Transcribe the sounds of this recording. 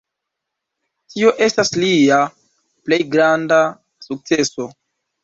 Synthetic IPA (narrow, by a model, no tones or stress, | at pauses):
tio̞ʔe̞staslia | ple̞jɡɾanda | suk̚t͡se̞so̞